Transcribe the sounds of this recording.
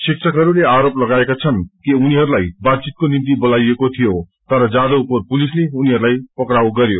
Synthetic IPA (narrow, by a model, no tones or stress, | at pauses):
siksʰʌkɦʌɾuleaɾoplʌɡaekat͡sʰʌnkiuniɦʌɾulajbad̪̚t͡sit̪̚konint̪ibʌlajekot̪ʰijot̪ʌɾʌd͡zad̪owkopulisleuniɦʌɾulajpʌkɾawɡʌɾjo